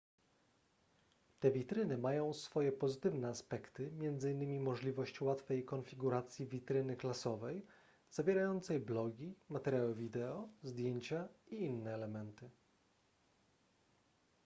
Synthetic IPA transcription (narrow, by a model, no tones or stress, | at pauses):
t̪ɛvʲit̪ɾɘnɘmajɔ̃w̃sfɔjɛpɔzɘt̪ɘvnɛaspɛkt̪ɘmʲjɛnd̪zɘinːɘmʲimɔʐlʲivɔɕt͡ɕwat̪fɛjkɔnfʲiɡuɾat̪sʲjivʲit̪ɾɘnɘklasɔvɛj | z̥avʲjɛɾajɔnt̪sɛjblɔɡʲimat̪ɛɾʲjawɘvʲid̪ɛɔzd̪ʲjeɲt͡ɕaiinːɛːlɛmɛnt̪ɘ